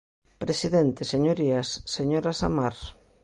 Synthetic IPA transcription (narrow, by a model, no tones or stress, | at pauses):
pɾesiðent̪eseɲoɾiasːeɲoɾasa̰maɾ